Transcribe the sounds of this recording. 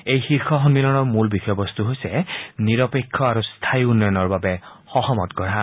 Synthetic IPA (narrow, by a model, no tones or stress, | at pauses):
ejxiɹxʰɔxɔnmilɔnɔɹmulbixɔjɔbɔst̪uɦojsɛniɹɔpekʰːɔaɹust̪ʰajunːɔjɔnɔɹbabɛ | xɔxɔmɔ̰tkɔɹa